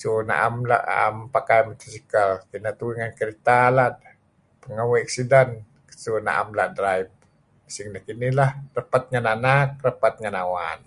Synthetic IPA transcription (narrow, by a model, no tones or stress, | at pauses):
suna̰ʔamla̰ʔa̰mpakajmət̪ɾsikalk̪inat̪uiŋankəɾit̪alad̪ | pəŋawiaksidan | suna̰ʔa̰mlaʔdɾajp̚ | siŋnahkinilahrəpat̪̚ŋananak̚rəpat̪̚ŋanawa̰n